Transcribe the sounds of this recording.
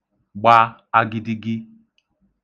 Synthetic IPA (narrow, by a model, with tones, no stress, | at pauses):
ɡ͡ba˦ | a˦ɡɪ˦dɪ˦ɡɪ˦